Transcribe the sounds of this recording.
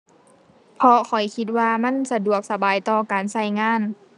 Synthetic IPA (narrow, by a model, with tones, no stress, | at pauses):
pʰɔ˧kʰɔ˨˩jkʰi˧t̪̚waː˧ma˧˥˨nsa˧du˨˩ək̚sa˧baː˨jt̪ɔː˧kaː˨˩nsa˧˥˩jŋaː˧˥˨n